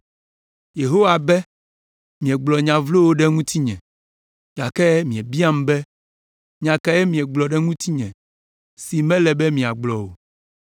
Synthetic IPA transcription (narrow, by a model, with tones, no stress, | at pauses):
je˨ɦo˦wa˨bɛ˦ | mĩ˨ɛ˨ɡ͡blɔ˨ɲã˨vlo˦wo˦ɖɛ˦ŋũ˦t̪i˦ɲɛ̰̃˨ | ja˨kɛ˦mĩ˨ɛ˨bi˦a˦m˦bɛ˦ | ɲã˨ka˨jɛ˦mĩ˨ɛ˨ɡ͡blɔ˨ɖɛ˦ŋũ˦t̪i˦ɲɛ̃˨ | si˨mɛ̃˦lɛ˨bɛ˦mĩ˨a˨ɡ͡blɔ˨wo̰˨